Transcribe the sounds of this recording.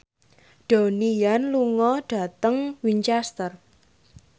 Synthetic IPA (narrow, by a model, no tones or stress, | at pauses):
ɖ̥o̤nijanluŋɔɖ̥a̤t̪əŋwiɲt͡ʃɛst̪ər